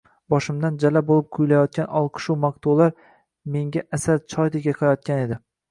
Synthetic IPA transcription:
bɒʃɪmd̪and͡ʒalabolˠɪp̚qʰʊjlajɒt̪̚kʲanʔɒlˠqʰɨ̥ʃuwmaq̚t̪ʰulaɾ | me̞ŋɡʲaʔasaɾt͡ʃʰɒjd̪ɪɡʲaqʰɨɾajɒt̪̚kʲane̞d̪ɪ

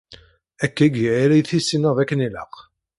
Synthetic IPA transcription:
ækːæɡiʕaɾæjθisːinəðækːəniləq

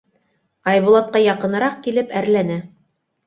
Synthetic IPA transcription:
ɑjβŭlˠɑt̪̚qɑjɑqɤ̆nɤ̆ɾɑq̚kilɘpæɾlænæ

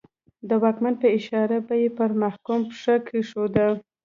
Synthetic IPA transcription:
d̪əwɑkmanpəɪʃɑɾabajepəɾmahkumpʂakʰiʂod̪a

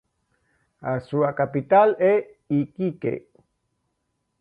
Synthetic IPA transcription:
asuakapit̪ale | ikikḛ

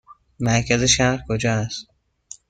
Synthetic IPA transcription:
mæɾkæzeʃahɾkʰod͡ʒɒːæst̪̚

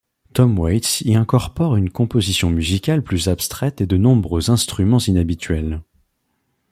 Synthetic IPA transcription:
t̪ɔmwajt̪siɛ̃kɔʁpɔʁynkɔ̃pozisjɔ̃myzikʲalplyzapst̪χɛt̪ed̪ənɔ̃bʁøzɛ̃st̪χymɑ̃zinabit̪ɥɛl

